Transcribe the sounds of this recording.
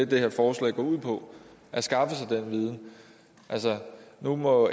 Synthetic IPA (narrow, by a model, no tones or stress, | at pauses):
ed̥̚d̥e̝heɐfɒːslɛ̰ːɡ̥ɒ̰ːuð̰ˠpʰɒ̽ | ʔæsɡ̥ɑ̈fəsɑ̈ɪd̥enʋiːð̞ˠn̩ | ʔælsənumɒ̽